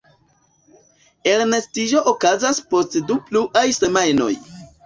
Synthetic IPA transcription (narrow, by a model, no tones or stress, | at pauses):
e̞ɾne̞stid͡ʒo̞ʔokazaspo̞stdupluʔajse̞majno̞̰j